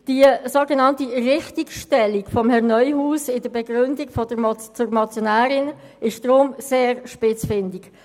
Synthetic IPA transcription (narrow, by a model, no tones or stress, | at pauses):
d̥isoɡenɑntiʁɪχtikʃtɛlikfɔmhɛʁnœʏhuːsɪdəbɛɡʁʏndikfɔd̥ət͡sʊɾmɑt͡sjonaːɾɪn | ɪʃd̥ʁʊmseːɾʃpɪt͡sfɪndɪk